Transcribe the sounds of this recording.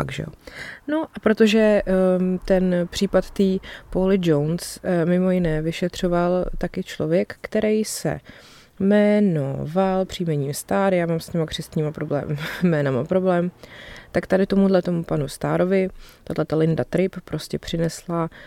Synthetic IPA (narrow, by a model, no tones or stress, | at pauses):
akʒɛ̰ono̞ʔapɾo̞t̪o̞ʒɛ | t̪ɛnpr̝̥iːpat̪t̪iːpoɦlɪd͡ʒownsmɪmo̞jɪnɛːvɪʃɛt̪r̝̥o̞valt̪akɪt͡ʃlovjɛkːt̪ɛɾɛjsɛ̰ | mɛno̰valpr̝̥iːmɛɲiːmst̪aːɾjaːmaːmsɲɛmakr̝ɪst̪ɲiːmapɾoblɛ̰ːmmɛːnamapɾo̞blɛːmt̪akt̪adɪt̪o̞mudlɛt̪o̞mupanust̪a̰ːɾo̞vɪt̪adlɛt̪alɪndat̪ɾɪppɾo̞scɛpr̥ɪnɛsla